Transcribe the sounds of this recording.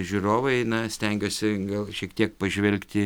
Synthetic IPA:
ʒʲʊroːʋɐɪnɐsʲt̪ʲɛŋʲɡʲoːsʲɪɡɐlˠʃʲiɛkt̪ʲiɛk̚pɐʒʲʋʲɛlʲkt̪ʲɪ

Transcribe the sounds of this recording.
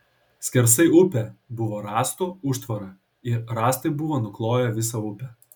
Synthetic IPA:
sʲkʲɛɾsɐɪʊpʲɛbʊʋoːɾɑːst̪uʊʃt̪ʋɐɾɐ | ɪɾɾɑːst̪ɐɪbʊʋoːnʊklˠoːjɛʋʲɪs̬ɐʊpʲɛ

